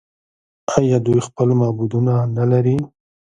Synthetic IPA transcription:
ajɑd̪ujxpəlmɑbud̪unanalaɾi

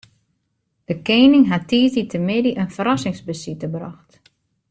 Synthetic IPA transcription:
d̥əkeːnɪŋɦatiːtitʰəmɪdiʔənfəɾɔsɪŋsbəsitəbrɔxt

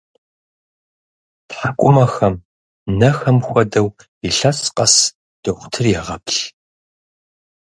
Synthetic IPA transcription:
tħakʷʼʊmɐxɐm | nɐxɐmxʷɐdɐw | iɬɐsqʼɐs | d̥ɨxʷʊ̥tʰɨrjɛʁɐpɬ

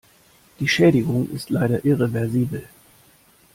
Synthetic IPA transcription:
d̥iːʃɛːɾɪɡʊŋʔɪ̰stlaɪɾɐʔɪʁevɛɐziːbl̩

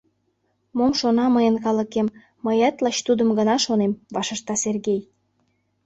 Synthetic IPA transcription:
momʃonɑməjənkɑlə̆kemː | əjæt̪lɑt͡ɕt̪ud̪ə̆mɡənɑʃonemvɑʃə̆ʃt̪ɑserɣej

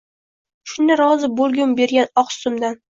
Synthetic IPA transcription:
ʃʊnɪɾɒzɪbolˠɡʲʊmbe̞ɾɡʲanɒqst̪ʊmd̪an

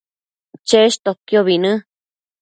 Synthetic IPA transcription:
t͡ʃeʃt̪okjoβinɨ̃

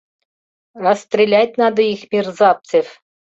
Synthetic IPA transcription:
rəst̪rʲelʲæt̪̚ʲnɑd̪ɤ̆ixmʲirzɑp̚t͡sɘfʲ

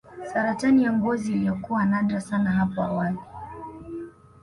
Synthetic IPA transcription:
saɾatanijaŋɡɔziːlijɔkuwanaɗɾasanaɦapɔa̰wali

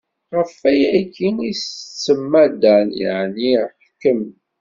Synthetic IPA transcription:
ʁəfæjækːinist͡sːəmːæd̪ænjə̰ʕniħkːəm

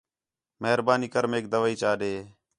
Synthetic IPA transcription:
məɦɾbaːniːkəɾmeːk̚d̪əʋaːiːt͡ʃaːɗeː

